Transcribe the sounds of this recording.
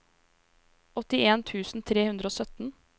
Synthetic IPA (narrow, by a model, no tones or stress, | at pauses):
ɔt̪ɪeːnt̪ʰʉːsn̩t̪ʰɾeːhʉnd̪ɾəoːsœt̪n̩